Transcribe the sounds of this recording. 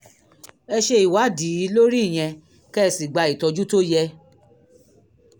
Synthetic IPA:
ɛ˧ʃe˧i˨wa˨˦di˨˦i˨˦lo˦ɾi˦˨j̃ɛ̃˧ | kɛ˦˧˨si˨ɡ͡ba˧i˨tɔ˧d͡ʒu˦to˦jɛ˧

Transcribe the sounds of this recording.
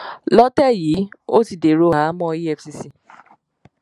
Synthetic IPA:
lɔ˦tɛ˦˨jiː˨˦o˦ti˨de˨ɾo˧˦a˨a˨˦mɔ̃˦˨˦i˦ɛ˧fsi˧si˧

